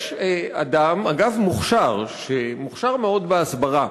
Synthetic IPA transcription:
ʃea̰d̪amaɡavmuχʃaʁʃemuχʃaʁmeo̞d̪beasbaʁa

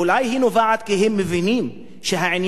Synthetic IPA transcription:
lajhinovaʕad̪̚kiɦemːevinim | ʃeɦaʕinj

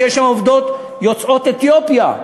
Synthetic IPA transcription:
ɛʃamovd̪ot̪ | jot͡so̞t̪et̪jopja̰

